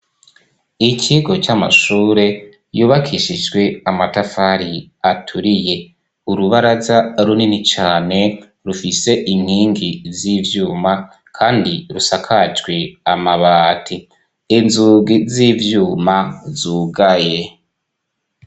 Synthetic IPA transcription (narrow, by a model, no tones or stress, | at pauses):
icʰiɡo̞t͡ʃama̰ʃuːɾe̞ | juːβakʰiʃid͡ʒɡwe̞amatafaɾiatʰuɾije̞ | uɾuβaɾazaɾuninit͡ʃaːne̞ | ɾufise̞ʔim̥hiːŋɡiziːvjuːma | kʰaːndiɾusakʰad͡ʒɡwe̞amaβaːtʰi | inzuːɡizivjuːmazuːɡaje̞